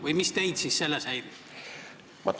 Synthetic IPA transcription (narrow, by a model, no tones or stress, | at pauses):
vɯjmist̪ejd̪̥siːsselːeshæjɾi | mɑ̰t̪